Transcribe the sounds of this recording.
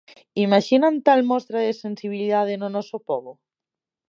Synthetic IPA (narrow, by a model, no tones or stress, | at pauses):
imaʃinant̪almɔst̪ɾaðɪsensiβ̞iliðað̞ɪnʊnɔsopɔβʊ